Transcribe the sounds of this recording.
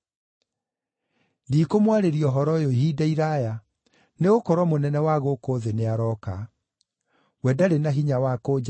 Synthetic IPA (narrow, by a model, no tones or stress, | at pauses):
ndiːkomwaɾeɾiɔɦɔɾɔjoɦiːdaiɾaja | neɣokɔɾwɔmonɛnɛwaɣokoðeneaɾɔka | wɛdaɾenaɦiɲawakoːd͡ʑa